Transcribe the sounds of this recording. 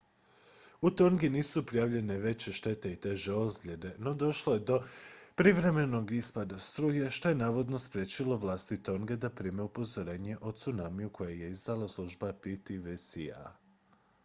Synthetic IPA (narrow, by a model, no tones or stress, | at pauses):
ut̪o̞ŋɡiniːsupɾijaʋʎe̞ne̞ʋe̞t͡ɕeʃt̪e̞t̪e̞it̪e̞ʒeo̞zɡlʲʎʲe̞d̪e̞no̞d̪o̞ʃlˠo̞je̞d̪o̞pɾiʋɾe̞me̞no̞ɡispad̪ast̪ɾuːjeʃt̪o̞je̞naːʋo̞d̪no̞spɾje̞t͡ɕilo̞ʋlˠaːst̪it̪o̞ŋɡe̞d̪apɾiːmeupo̞zo̞ɾe̞ːɲe̞ʔo̞t̪sunamijukʰo̞jeje̞izd̪alaslˠuʒbapit̪iʋesia̰